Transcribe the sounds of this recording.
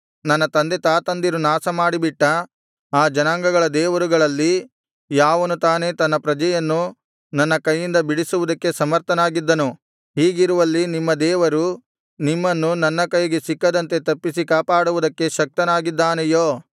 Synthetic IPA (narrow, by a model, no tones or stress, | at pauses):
nɐnːɐt̪ɐnd̪e̞t̪aːt̪ɐnd̪iɾunaːsɐmaːɽibiʈːɐ | aːd͡ʒɐnaːŋɡɐɡɐɭɐd̪ɛːʋɐɾuɡɐɭɐlːi | jaːʋɐnut̪aːne̞t̪ɐnːɐpɾɐd͡ʒɐjɐnːu | nɐnːɐkɐjːind̪ɐbiɽisuʋud̪ɐkːe̞sɐmɐɾt̪ʰɐnaːɡid̪ːɐnu | ɦiːɡiɾuʋɐlːinimːɐd̪ɛːʋɐɾu | nimːɐnːunɐnːɐkɐjɡesikːɐd̪ɐnt̪e̞t̪ɐpːisikaːpaːɽuʋud̪ɐkːe̞ʃɐk̚t̪ɐnaːɡid̪ːaːnejoː